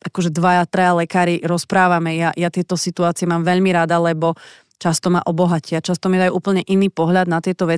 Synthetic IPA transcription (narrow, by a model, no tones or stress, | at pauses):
ʔakɔʒɛd̪ʋajat̪ɾajalɛkaːɾiɾɔspɾaːʋamɛjajat̪ɪɛt̪ɔsit̪uaːt͡sɪɛmaːmʋɛʎmiɾad̪alɛbɔ | t͡ʃast̪ɔmaʔɔbɔɦacɪat͡ʃast̪ɔmiɛd̪ajuʔuːpl̩ɲɛʔiniːpɔɦʎad̪nat̪ɪɛt̪ɔʋɛ